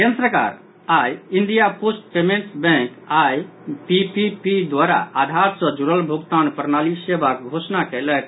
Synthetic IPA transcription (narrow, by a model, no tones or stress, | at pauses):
kensɾəka̰ɾ | ajind̪ijaposʈ̚pemeɳʈsbɛ̃k | aj | pipipid̪waɾa̰ad̪ʱaɾsɔ̃d͡ʒuɾəlbʱuɡt̪anpəɾnalisebakɡʱosnakɛlɛk̪